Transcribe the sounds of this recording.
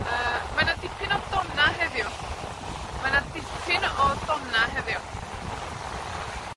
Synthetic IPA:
əːmanadɪpʰɪnɔdɔnaɦɛðjʊ | manadɪpʰɪnɔdɔnnaɦɛðjʊ

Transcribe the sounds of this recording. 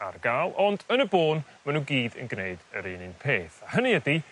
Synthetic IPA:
arɡalˠɔndənəboːn | manuːɡiːdə̰nɡneɨdəɾiːnɪnpʰeːθahəniədi

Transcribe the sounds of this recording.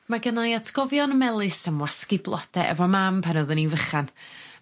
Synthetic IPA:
maɡənajatʰɡ̥ɔvjɔnəmɛlˠɨsəmwaskɪblˠɔ̰d̥ɛʔɛ̰vɔmampʰanɔðəninvəχan

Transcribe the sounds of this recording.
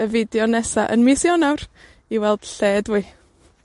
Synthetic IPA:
əvɪdjɔnɛsaʔənmɪsjɔnawr | iwɛlˠd̥ɬeːdwiː

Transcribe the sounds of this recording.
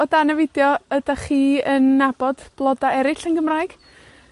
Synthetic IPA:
ɔdanəvɪdjɔədaχiːənːabɔd̥b̥lˠɔdaɛɾɪɬənɡəmraːɨjɡ̥

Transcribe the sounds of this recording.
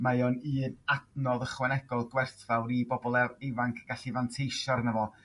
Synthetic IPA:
majɔnɨːnadnɔðəχwɛnɛɡɔlˠɡwɛrθvawɾibɔbɔlˠɛevaŋkʰɡ̥aɬivantʰejʃɔɾnəvɔ

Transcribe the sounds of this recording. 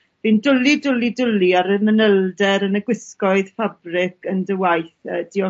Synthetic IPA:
v̥indʊlidʊlidʊliaɾəmənəlˠdɛɾənəɡwɪskɔɨðfabrɪkʰəndəwajθəːd̥iɔ

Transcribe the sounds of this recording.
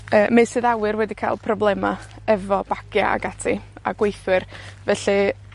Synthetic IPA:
əːmejsɨðawɨɾwɛdikʰajlˠpʰrɔblˠɛma | ɛvɔb̥aɡ̥ja̰a̰ɡatʰia̰ɡwejθwɨrvɛɬi

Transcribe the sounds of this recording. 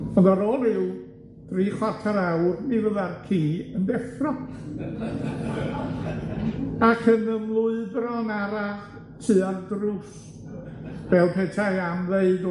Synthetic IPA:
ɔðaɾɔɾɪw | d̥riːχwartʰaɾawrmivəðarkʰiːəndɛfrɔ | akʰənəmlˠʊɨbrɔnaɾaχ | tʰɨardrʊs | vɛlˠpʰeːtʰajamðeɨd

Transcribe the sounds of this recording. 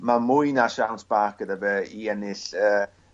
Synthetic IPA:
mamʊjnaʃawntʰb̥aːkəðəvəiɛnɪɬəː

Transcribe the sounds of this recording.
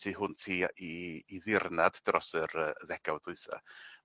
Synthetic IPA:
tʰiːɦʊntʰiːiːðɪrnaddrɔsəɾəəðɛɡawduɨθa̰

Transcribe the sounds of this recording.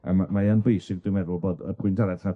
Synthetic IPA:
a̰mamaənbejsɪɡ̚dɪwmɛdʊlˠboːdəpʰʊɨntʰaɾɛdχa

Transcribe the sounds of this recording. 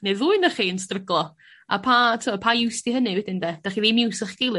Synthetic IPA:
neðuːɨnəχiːənstrəɡlˠɔ | a̰pʰatʰuɔpʰajɪwstiɦənɨwɛdɪndɛd̥aχiðimjuwsɪχɡ̥ɪlˠɨ

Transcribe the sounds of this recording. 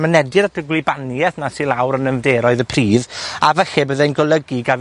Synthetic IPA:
mənɛdɨɾədʰəɡlɪbanjɛθnasɪlˠawɾənənvdeːɾɔɨðəpʰriːðavəxɪbəðejnɡɔlˠəɡiɡav

